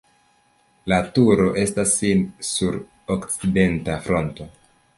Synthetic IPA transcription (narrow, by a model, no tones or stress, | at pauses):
latuɾo̞ʔe̞stasːinsuɾ | okt͡side̞ntafɾo̞nto̞